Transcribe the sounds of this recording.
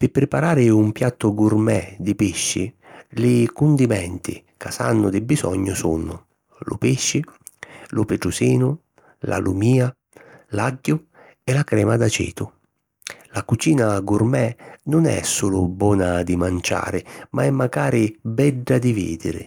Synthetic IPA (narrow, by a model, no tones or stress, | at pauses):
pɪpːɾɪpaɾaːɾɪumpjat̪ːʊɡurmɛd̪ipɪʃːɪ | lɪkʊnd̪imɛnt̪ɪ̰ | kasa̰nːʊd̪ɪbisɔ̰ɲːʊsunʊ̰ | lʊ̰piʃːɪ | lʊpɪʈɾʊsiːnʊ | lʔa̰lumiːa | laɟːʊ | ɛlakɾɛːmad̪at͡ʃɛ̰ːt̪ʊ | lakut͡ʃiːnaɡʊrmɛnʊnɛ̰sːuːlʊbɔːnad̪imant͡ʃa̰ːɾɪmaɛmːaɡaːɾɪbɛɖːad̪ivḭːd̪ɪɾɪ̰